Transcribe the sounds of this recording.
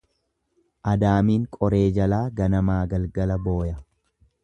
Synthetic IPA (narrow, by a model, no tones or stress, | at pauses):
ʔɐd̪aːmiːŋkʼɔɾe̞ːd͡ʒɐlaːɡɐnɐmaːɡɐlɡɐlɐbo̞ːjɐ